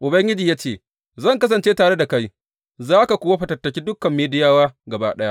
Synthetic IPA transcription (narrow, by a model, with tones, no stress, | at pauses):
ʔʊ˨bɐ˦ŋɡʲɪ˦d͡ʒiː˨jaː˦t͡ʃeː˨ | zɐ˦˨ŋkɐ˦s̬ɐ˨nt͡ʃeː˦taː˨ɽe˦da˨ka˦j | zaː˦ka˨kʷoː˦wa˦ɸɐ˨tɐ˨tːɐ˨kʲiː˦dʊ˦kːɐ˨mːeː˦dɪ˦jaː˦waː˦ɡɐ˨baː˦ɗɐ˦ja˦ʔ